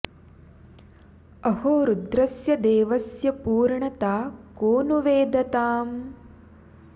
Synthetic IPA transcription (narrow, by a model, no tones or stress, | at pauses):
ɐhoːɾud̪ɾɐsjɐd̪eːʋɐsjɐpuːɾɳɐt̪aːkoːnuʋeːd̪ɐt̪aːm